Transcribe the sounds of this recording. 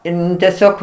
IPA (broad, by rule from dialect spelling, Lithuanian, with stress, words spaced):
ˈɪn tʲɛˈsʲoːk